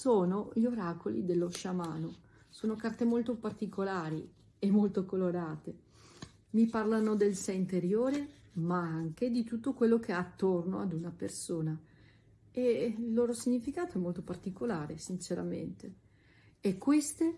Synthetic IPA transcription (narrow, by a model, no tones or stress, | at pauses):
soːnoʎoɾaːkolḭd̪elːoʃamaːno | soːnokart̪emolt̪opart̪ikolaːɾi | emːolt̪okoloɾaːt̪e | miparlanod̪elsɛint̪eɾjoːɾemaaŋk̟ed̪it̪ut̪ːokwelːok̟eat̪ːorno̰ad̪unapersoːna | eilːoːɾosiɲːifikaːt̪oɛmːolt̪opart̪ikolaːɾesint͡ʃeɾa̰mḛnt̪eː | kːwest̪e